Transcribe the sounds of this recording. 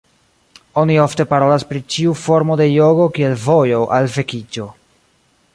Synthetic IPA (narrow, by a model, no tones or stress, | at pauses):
o̞nio̞fte̞paɾo̞laspɾit͡ʃiufo̞ɾmo̞de̞jo̞ɡo̞kie̞lvo̞jo̞ʔalve̞kid͡ʒo̞